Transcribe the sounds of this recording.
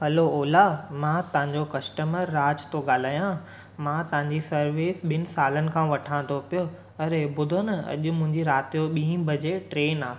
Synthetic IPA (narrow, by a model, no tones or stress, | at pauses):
ɦɐloːlamãt̪ɐʋãɲd͡ʑokɐsʈəməɾːaːd͡ʑt̪oɠaːl̤aːjã | mãt̪ɐʋɦãɲd͡ʑisɐɾʋiːsɓɪnɪ̆saːlənɪ̆kʰãʋɐʈʰãːnd̪opijo | ɐɾebʊd̪ʱonɐɐ̰ʄʊ̆mʊ̃ɦɪ̃ɲd͡ʑiɾaːt̪ijoɓĩːbʱɐd͡ʑeʈɾeːnaː